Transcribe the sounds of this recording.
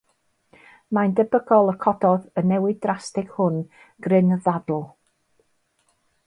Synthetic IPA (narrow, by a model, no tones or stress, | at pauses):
mandɛbəɡɔlˠəkʰɔdɔðənɛwɪd̚drastɪɡ̥hʊn | ɡ̥rɪnðadl̩ˠ